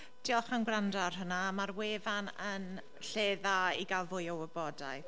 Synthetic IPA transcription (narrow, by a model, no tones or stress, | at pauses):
d̥ʰiɔχanɡrandarɦənamarweːvanən | ɬeːðaiɡalˠvʊjɔwəbɔdaj